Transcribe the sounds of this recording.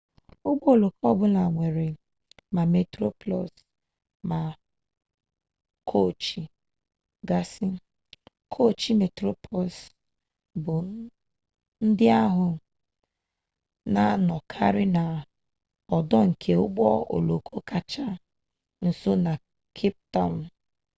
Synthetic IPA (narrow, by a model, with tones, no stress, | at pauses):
ʊ˦ɡ͡bɔ˦˨lo˨kɔ˦bʊ˦na˨ŋʷe˨ɾe˨ | ma˨me˨tɾo˦plɔ˨s | ma˨ | kʰo˦˨t͡ʃi˨ | ɡa˦sɪ˦ | kʰo˦˨t͡ʃi˦me˨tɾo˦pɔ˨s | bʊ˨ | n̩˦dɪ˦a˦ɦʊ˨ | na˨˦nɔ˨kʰa̰˦ɾɪ˦na˨ | ɔ˨dɔ˦ŋ̩˨kʰe˨ʊ˦ɡ͡bɔ˦o̰˨lo˨kʰo˦ka˨t͡ʃa˦ | n̩˨so˦na˨ | kʰi˦p̚tɔ˦˨m˦